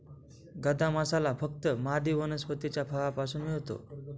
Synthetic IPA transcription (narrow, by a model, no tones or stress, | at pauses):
ɡəd̪amasalafək̚t̪əmad̪iːʋənəspət̪it͡ɕjapʰaʋapasuːnmiɭt̪o̰